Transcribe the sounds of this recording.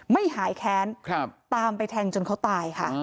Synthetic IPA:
ma˥˩jɦaː˩˦jkʰɛː˨˦˥nkʰpt̪aː˧mpa˧jt̪ʰɛː˧ŋt͡ɕo˧nkʰwt̪aː˧jkʰa˥˩

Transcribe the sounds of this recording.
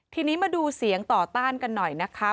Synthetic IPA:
t̪ʰiː˧niː˦˥maː˧duː˧si˩˦əŋt̪ɔː˨˩t̪aː˥˩nka˧nːɔ˨˩jna˦˥kʰa˦˥

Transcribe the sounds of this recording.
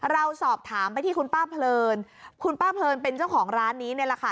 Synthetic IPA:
ɾa˧wsɔː˨˩p̚t̪ʰaː˩˦mpa˧jt̪ʰiː˥˩kʰu˧npaː˥˩pʰlɤː˧nkʰu˧npaː˥˩pʰlɤː˧npe˧nt͡ɕa˥˩wkʰɔː˩˦ŋɾaː˦˥nːiː˦˥na˧˩ɾa˧kʰaː˧˩

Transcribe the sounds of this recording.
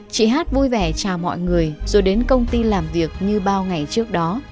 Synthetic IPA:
t͡ɕḭ˧˨ɦaː˦˥t̚vu˧jvɛ˧˩t͡ɕaː˨˩wmɔ̰˧˨jŋɨ˨˩əjzo˨˩jɗe˨˦nkə˧wŋ͡mt̪i˧laː˨˩mvi˨˩ək̚ɲɨ˧ɓaː˧wŋa˨˩jt͡ɕɨ˦˥ək̚ɗɔ˨˦

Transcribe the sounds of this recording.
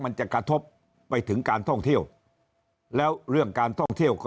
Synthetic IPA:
ma˧nt͡ɕa˨˩kɾa˧t̪ʰo˦˥pː | a˧jt̪ʰɯ˩˦ŋkaː˧nt̪ʰɔ˥˩ŋt̪ʰi˥˩əw | lɛː˦˥wɾɯ˥˩əŋkaː˧nt̪ʰɔ˥˩ŋt̪ʰi˥˩əwkʰɔː˥

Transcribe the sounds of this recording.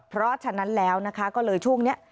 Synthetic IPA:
pʰɾɔ˦˥t͡ɕʰa˧na˦˥nlɛː˦˥wna˦˥kʰa˦˥kɔː˥˩lɤː˧jt͡ɕʰu˥˩əŋni˦˥ɐʔ

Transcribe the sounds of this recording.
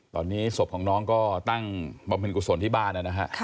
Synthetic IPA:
t̪ɔ̰ː˧nːiː˦˥so˨˩p̚kʰɔː˩˦ŋnɔː˦˥ŋkɔː˥˩t̪a˥˩ŋba˧mpʰe˧nkuː˧so˧nt̪ʰiː˥˩baː˥˩nːa˦˥˩na˦˥kʰa˦˥ʔʰ

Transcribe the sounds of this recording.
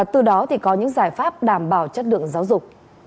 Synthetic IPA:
t̪ɨ˨˩ɗɔ˨˦t̪ʰi˨˩kɔ˨˦ɲɨ̰˧˥ŋzaː˧˩jfaː˦˥p̚ɗaː˨˩mɓaː˨˩wt͡ɕə˦˥t̚lɨ̰˧˨əŋzaː˨˦wzʊ˨˩k͡p̚

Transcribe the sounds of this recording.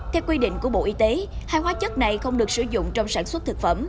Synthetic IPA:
t̪ʰɛ˨˦wkwi˧ɗḭ˧˨ŋ̟ku˧˩əɓo̰˧˨ʔi˧˦t̪e˨˦haː˧jhwaː˨˦t͡ɕə˦˥t̚na˨˩jxə˧wŋ͡mɗɨ˨˩ək̚sɨ˧˩zʊ̰˧˨ŋ͡mt͡ɕɔ˧wŋ͡msaː˧˩nswə˦˥t̚t̪ʰɨ˨˩k̚fə˧˩m

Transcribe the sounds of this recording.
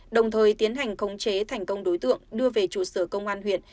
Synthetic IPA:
ɗə˨˩wŋ͡mt̪ʰəː˨˩jt̪i˨˦ənɦa˨˩jŋ̟xə˨˦wŋ͡mt͡ɕe˨˦t̪ʰa˨˩jŋ̟kə˧wŋ͡mɗo˨˦jt̪ɨ̰˧˨əŋɗɨ˧əve˨˩t͡ɕṵ˧˩səː˧˩kə˧wŋ͡mʔaː˧nɦwḭ˧˨ən

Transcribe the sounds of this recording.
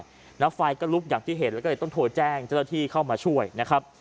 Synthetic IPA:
j | nɛː˦˥faː˧jkɔː˥˩lu˦˥k̚jaː˨˩ŋt̪ʰiː˥˩ɦe˨˩nlɛː˦˥kːt̪ɔ˥˩ŋt̪ʰoː˧jt͡ɕɛː˥˩ŋt͡ɕa˥˩wna˥˧t̪ʰiː˥˩kʰa˥˩wmaː˧t͡ɕʰu˥˩əjna˦˥kʰɾa˦˥p̚

